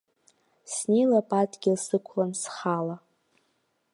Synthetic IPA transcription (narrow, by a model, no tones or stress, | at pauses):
snejlapʼadʼɡʲɪlsɨkʷʰlansχala